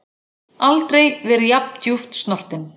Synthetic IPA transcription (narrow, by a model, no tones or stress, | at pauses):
alt̪ɾejvɛɾʏjap̚n̥t̪juft̪st̪nɔr̥t̪ɪn